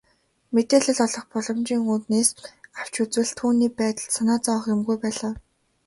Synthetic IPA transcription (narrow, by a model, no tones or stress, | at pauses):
met̪eːɮə̆ɮɔɮɞ̆χpɔɮɞ̆mt͡ɕiːŋuːt̪neːsaw̥t͡ɕut͡swɘ̆ɮt̪ʰuːniːpæːt̪ə̆ɮsanaːt͡sɔːχjʊmɡujpæːɮaːw